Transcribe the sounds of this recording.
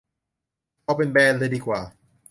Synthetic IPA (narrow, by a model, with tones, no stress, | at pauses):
pʰɔ˧p̬e˧nbɛː˧nlɤː˧diː˧kwaː˨˩